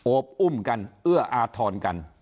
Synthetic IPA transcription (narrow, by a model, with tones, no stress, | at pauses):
ʔo˦p̚ʔu˥˩mka˧nʔɯ˥˩ɐʔaː˧t̪ʰɔː˧nka̰˧n